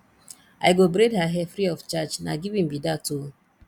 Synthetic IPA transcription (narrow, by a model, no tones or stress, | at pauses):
ajɡobɾedhaɦɛfɾiɔft͡ʃat͡ʃna̰ɡivĩmbidatu